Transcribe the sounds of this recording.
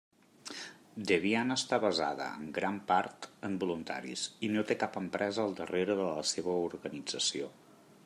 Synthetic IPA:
d̪əβianəːst̪aβəza̰ðə̰ə̰ŋɡɾampaɾt̪əmbulunt̪a̰ɾḭsinot̪ekapəmpɾʔɛzəːlˠd̪əreɾəðələseβ̞əuɾɣənid͡zəsio

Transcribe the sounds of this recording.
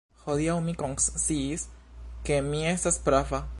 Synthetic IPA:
xoðiaumikoŋssiskemiesaspɾafa

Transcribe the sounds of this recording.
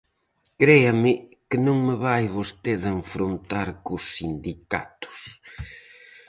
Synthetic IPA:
kɾejɐmɪkɪnõŋmɪβajβost̪eðeɱfɾont̪aɾkʊsːind̪ika̰t̪ʊ̥s

